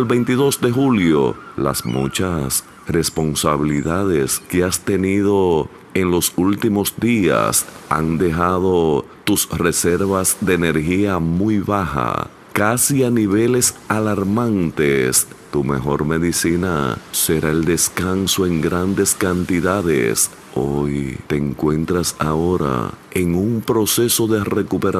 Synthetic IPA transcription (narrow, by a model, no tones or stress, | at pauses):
lbe̞jnt̪iðo̞sd̪e̞xuljo̰la̰smṵt͡ʃas | re̞spo̞nsaβ̞iliðað̞e̞ske̞ast̪e̞nið̞o̞ | e̞nlo̞sult̪imo̞sd̪ia̰sa̰nd̪e̞xaðo̞ | t̪usre̞se̞ɾβasd̪e̞ːne̞ɾxiamujβaxa̰ | kasianiβe̞le̞salaɾmãnt̪e̞st̪ume̞̰xo̞ɾme̞ðisina̰se̞ɾae̞ld̪e̞skanso̞e̞ŋɡɾand̪e̞skant̪iðaðḛs | ojt̪eːŋkwe̞nt̪ɾasa̰o̞ɾa̰e̞ŋumpɾo̞se̞so̞ðe̞re̞kupe̞ɾa